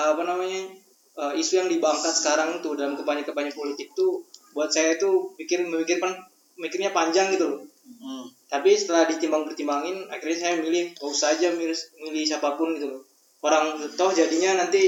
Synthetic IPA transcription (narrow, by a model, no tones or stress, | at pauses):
apanamaɲa | əisujaŋdibaŋkat̪̚sə̥kaɾaŋit̪udalamkəmpaɲakəpaɲapolit̪ɪk̚t̪ubuat̪̚sajait̪upikɪrməmikɪrkan | mikɪrɲapaɲd͡ʒaŋɡit̪ulʊ | t̪apisə̥t̪əlahdit̪imbaŋbərt̪imbaŋɪnakirɲas̬ajamilɪhbausad͡ʒamimilɪhs̬apapʊnɡit̪ul | oɾaŋt̪ɔhd͡ʒadiɲanant̪i